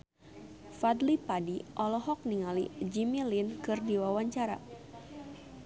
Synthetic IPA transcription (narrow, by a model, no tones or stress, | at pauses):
fat̪lipadiʔɔlɔɦɔk̚niŋalid͡ʒimilinkɨrdiwawaɲt͡ʃaɾa̰